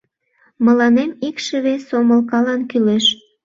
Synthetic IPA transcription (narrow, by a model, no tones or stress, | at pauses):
mə̆lɑnemikʃəβesoməlkɑlɑnkyleʃ